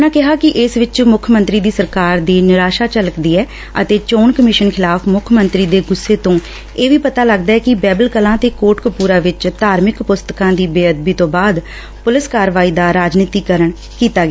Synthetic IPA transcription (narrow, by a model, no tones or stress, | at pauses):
nãːkɪɦaːkɪʔɪsʋɪt͡ʃmʊkʰmə̃nt̪ɾiːd̪iːsəɾkaːɾd̪eːnɪɾaːʃaːt͡ʃələkd̪iːɛː | ə̰t̪eːt͡ʃoːnkəmɪʃənkʰɪlaːpʰmʊkʰmənt̪ɾiːd̪eːɡʊsːeːt̪õː | eːʋiːpət̪aːləɡd̪aːɛːkɪbɛːbəlkəlãːt̪eːkoːʈkəpuːɾãːʋɪt͡ʃd̪aːɾmɪkpʊst̪əkãːd̪iːbeːəd̪̚biːt̪õːbaːd̪ | pʊlɪskaːɾʋaːiːd̪aːɾaːd͡ʒniːt̪iːkəɾəɳ | kiːt̪aːɡeː